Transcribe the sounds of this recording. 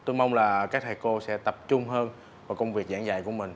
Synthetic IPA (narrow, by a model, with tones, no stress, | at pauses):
t̪o˧jma˧wŋ͡mlaː˨˩kaː˦˥k̚t̪ʰa˨˩jko˧sɛ̰˧˥t̪ə˨˩p̚t͡ɕʊ˧ŋ͡mɦəː˧n | vaː˨˩kə˧wŋ͡mvi˨˩ək̚zaː˧˥ŋzaː˨˩jku˧˩əmï˨˩ŋ̟